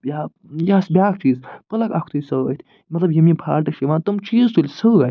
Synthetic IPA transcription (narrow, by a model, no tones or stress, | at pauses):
jaː | jaːsbʲjaːkʰt͡ʃiːzpɐlɐkakʰt̪ʰusɐɐ̰t̪ʰ | mɐt̪lɐbjimĩpʰa̰ːɾʈɐkʃiʋaːnt̪ɐmt͡ʃiːzt̪ulʲsɐɐ